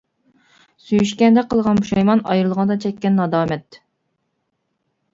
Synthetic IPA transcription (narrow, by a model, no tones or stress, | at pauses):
syjyʃkʲɛnd̪ɛqʰəlˠʁɑnbuʃɑjmɑnɑ̰jɾlˠʁɑnd̪ɑt͡ʃʰɛkʲːɛnːɑd̪ɑːmɛt̪